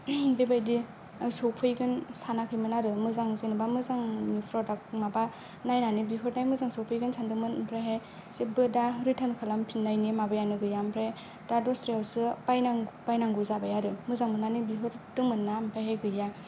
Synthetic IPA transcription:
bebajdi | ajsowpʰɯjɡɯnsanakʰɯjmɯnaɾɯmɯzaŋzenɯbamɯzaŋmipʰɾɔdakmaba | najnanibiɦɯɾnajmɯzaŋsɔwpʰɯjɡɯnsʰandɯŋmɯnpʰɾeɦe | sibɯdaɾitʰankʰalampʰinːajnimabɯjanɯɡɯjampʰɾe | d̥adɔstɾiawsɯpajnaŋpajnaŋɡuzabajaɾɯmɯzaŋmɯnanibiɦɯɾdɯŋmɯnːampʰajɦeɡɯja

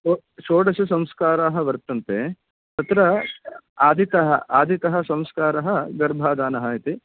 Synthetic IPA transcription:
o | ʃoːɽɐsusɐ̃mskaːɾaːɦɐ̆ʋɐɾt̪ːɐnt̪e | t̪ɐt̪ɾɐ | aːd̪ʱit̪ɐɦɐ̰ʔaːd̪ʱit̪ɐɦɐ̆sɐ̃mskaːɾɐɦɐɡɐɾbʱaːd̪aːnɐɦɐit̪i

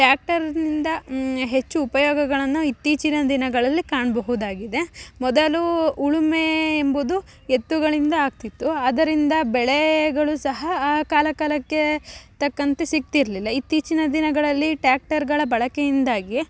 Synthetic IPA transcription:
ʈjaːk̚ʈɐɾnind̪ɐɦe̞t͡ʃːuːpɐjɔːɡɐɡɐɭɐnːuit̪ːiːt͡ʃinɐd̪inɐɡɐɭɐlːikaːɳbɐɦud̪aːɡid̪e̞mɔd̪ɐluːɭume̞ːmbud̪u | et̪ːuɡɐɭind̪ɐaːɡ̚t̪it̪ːuaːd̪ɐɾind̪ɐbɛɭeɡɐɭusɐɦɐkaːlɐkaːlɐkːe̞t̪ɐkːɐnt̪esik̚t̪iɾɐlilːɐit̪ːiːt͡ʃinɐd̪inɐɡɐɭɐlːiʈjaːk̚ʈɐɾɡɐɭɐbɐɭɐkejind̪aːɡi

